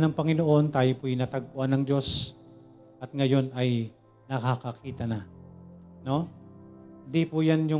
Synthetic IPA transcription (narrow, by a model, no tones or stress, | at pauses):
nɐŋpɐŋɪnoʔo̞nt̪aːjopʊjʊnɐt̪ɐɡ̚pʊʔanːɐŋd̪o̞s | ʔɐt̪̚ŋɐjo̞nɐj | nɐkakɐkiːt̪ɐna | no̞ | d̪ipʊjanjʊ